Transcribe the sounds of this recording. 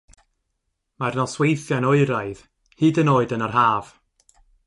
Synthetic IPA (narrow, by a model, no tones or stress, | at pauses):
marnɔswejθjanoɨɾajð̥ | hɨːdənoːɨdənarɦaːv̥